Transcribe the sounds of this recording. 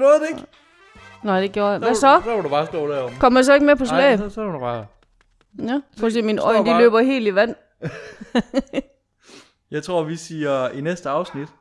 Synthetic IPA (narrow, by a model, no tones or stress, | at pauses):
nɔːð̩ˠeɡ | nɑɪd̥e̝ɡ̥joːɐjaʋæsɒdæʋodub̥ɑ̈ːsd̥ɔ̰ːd̥æɐkʰɒ̽mɐjisɒ̽e̝ɡ̥mepʰɒ̽slɛ̰ːsdubɑ | jæsʰɔ̰ːs̬ḛːminɒɪ̰nd̥ilø̰ːb̥ɐɦe̝̰ːliʋæn̰ | jɑ̈ɪt͡sʰʁo̝ɐʋisiːɐinesd̥əɑ̈ʊsnid̥